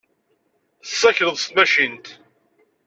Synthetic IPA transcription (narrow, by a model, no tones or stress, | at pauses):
sːæçɾəðˤst̪mæʃint̪